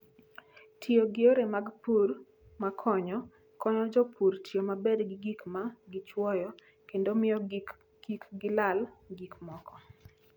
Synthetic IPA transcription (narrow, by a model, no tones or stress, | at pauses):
tʰioɡɪoɾemaɡpur | makʰɔɲɔ | kɔɲɔd͡ʒɔpuɾtjomabɛdɡɪɡikmaɡɪt͡ʃwɔjɔ | kendomɪɔ | ɡikɡɪlalɡikmɔkɔ